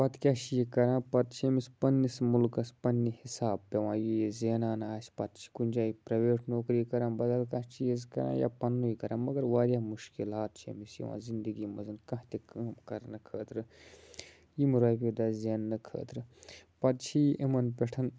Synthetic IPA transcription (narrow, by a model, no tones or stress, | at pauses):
pɐt̪kʲaʃijikɐɾãːpɐt̪t͡ʃʰiemispɐnʲːismulkɐspɐnːihisaːbpeʋãːjijezʲeːnaːnaːsʲpɐt̪t͡ʃʰi̥kunʲd͡ʒaːjipɾɐʋeːʈʰnoːkɾiːkɐɾãːnbɐd̪ɐlkɐt͡ʃʰizkɐ̰ɾã̰ːja̰pɐnːujikɐɾãːmɐɡɐɾʋaːɾʲjaːmuʃkilaːt̪̚t͡ʃʰḛmisjḭʋã̰ːzind̪ɨɡiːmɐzɨnkɐ̃ɦt̪ʲekɐmkɐɾnɨkʰəːt̪ɾɨ | jimuɾaːpʲod̪azʲeːnːɨkʰə̰ːt̪ɾɨpɐt̪t͡ʃʰijʔemɐnpʲeʈʰɐn